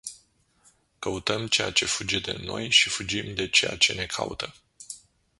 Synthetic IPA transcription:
kəut̪əmt͡ʃe̞jat͡ʃe̞fud͡ʒe̞d̪ḛno̞jʃifud͡ʒimd̪e̞t͡ʃe̞ja̰t͡ʃe̞ne̞kʰa̰ṵt̪ə

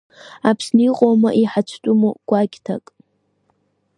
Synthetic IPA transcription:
apʰsniqʼoma̰ʔiħat͡ʃʷʰtʼumuɡ̥ʷakʲtʰa̰kʼ

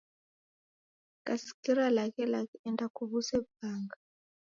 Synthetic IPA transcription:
kasi̥kiɾalakɛlakɛndakuβusɛbaːŋɡa

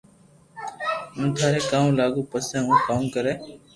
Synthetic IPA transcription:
ũːt̪ʰaːɾeːkãːmũlaːɠuːpəsẽːũːkãːkəɾeː

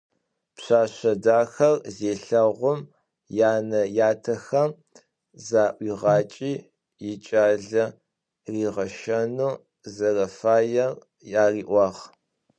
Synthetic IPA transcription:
pɕaːɕɐdaːxɐrzeːɬɐʁʷʊm | jaːnɐjaːtʰɐxɐm | zaːʔʷiːʁɑːt͡ʃʼiː | jɪt͡ʃʼaːɮɐ | riːʁɐʃɐnuː | zɐrɐfaːjɐr | jaːriːʔʷɑːʁ

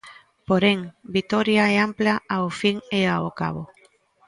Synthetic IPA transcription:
poɾeŋbit̪ɔɾjaɛamplaaofiŋeaoka̰βo

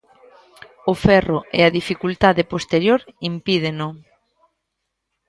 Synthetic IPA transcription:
ofɛroḛaðifikult̪aðepost̪eɾjoɾimpiðenʊ

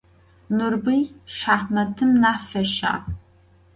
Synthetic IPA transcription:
nɨrbɨjʂaːħmɐtʰɨmnaːfɐʃa̰ː

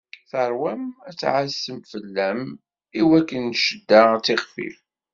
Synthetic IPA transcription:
θəɾˤwæmæt͡sːʕəsːəmfəlːæm | iwækːənːʃəd̪ːat͡sːɪχfḭf

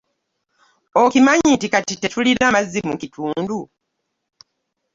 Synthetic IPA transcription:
okimaɲitikatite̞tuliɾamazːimukitʰuːndu

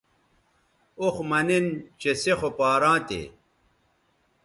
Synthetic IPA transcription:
oxmɐnint͡ɕesexopaːɾãːt̪ḛ

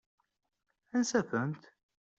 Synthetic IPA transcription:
ænsæfənt̪

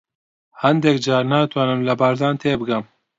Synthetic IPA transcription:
hɛnd̪ɛkd͡ʒɑːɾnaːt̪ʰwɑːnɨmlɐbaːɾd̪ɑːnt̪ʰeːbɨɡɐm

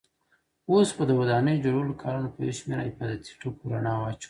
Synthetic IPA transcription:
ospəd̪əwad̪ɑnəjod͡ʒoɽwlokʰɑɾunopəḛʃmeɾa̰ɪfɑd̪at̪i̥ʈukuɾanɑwɑt͡ʃ

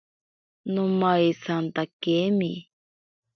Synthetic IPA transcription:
nomaisant̪akemi

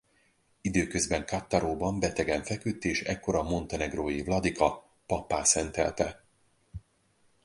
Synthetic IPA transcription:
id̪øːkøzbɛŋkat̪ːɒɾoːbɒmbɛt̪ɛɡɛɱfɛkyt̪ːeːʃɛkːo̞ɾɒmo̞nt̪ɛnɛɡroːjivlɒd̪ikɒ | pɒpːaːsɛnt̪ɛ̰lt̪ɛ

